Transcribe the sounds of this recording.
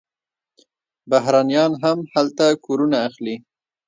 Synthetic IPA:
baɦɾɑnjɑnɦamhalt̪akoɾunaːxli

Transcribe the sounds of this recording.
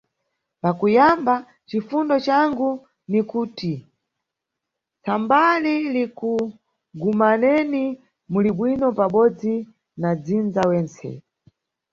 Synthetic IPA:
pakujamba | t͡ʃifundɔt͡ʃaŋɡu | nikuːti | t͡sambaliliku | ɡumanɛni | muliɓwinɔpaɓɔd͡zi | nad͡zind͡zawɛːnt͡sɛ̰

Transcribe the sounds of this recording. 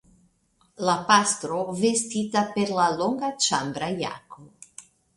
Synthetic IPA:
lapast̪ɾovest̪iːt̪aperlaloŋɡat͡ʃambɾaja̰ːko

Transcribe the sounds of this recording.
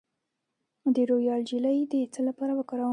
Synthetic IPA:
md̪eɾojɑld͡ʒiləjd̪əit͡səlapɑɾawəkɑɾa

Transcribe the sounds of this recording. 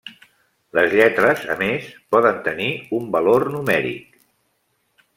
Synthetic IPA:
ləzʎɛt̪ɾəzə̰mespɔðənt̪əniumbəlornumɛɾḭk̚

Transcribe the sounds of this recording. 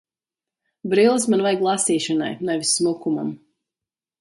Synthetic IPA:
bɾilˠɨs̬manvajɡlˠasiːʃɔna̰jnajvisːmukuma̰m

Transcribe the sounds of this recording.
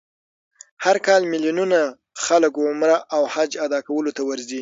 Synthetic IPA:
haɾkɑlmɪljununa | xaləkwʊmɾaʔawhad͡ʒad̪ɑkawəlot̪awəɾzi

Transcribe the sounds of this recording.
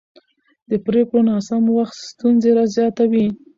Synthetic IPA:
d̪̥əpɾekɽonɑsamwaxt̪st̪unzeɾazjɑt̪awi

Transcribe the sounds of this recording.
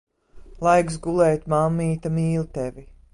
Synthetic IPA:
lˠajksɡulˠɛːt̪mamːiːt̪amiːlˠt̪evi

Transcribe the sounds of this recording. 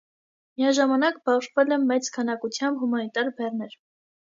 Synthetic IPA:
mijɑʒɑmɑnɑkbɑʁʒvɛlɛmːɛt͡skʰɑnɑkut͡sʰjɑmbɦumɑnit̪ɑɾbɛrnɛɾ

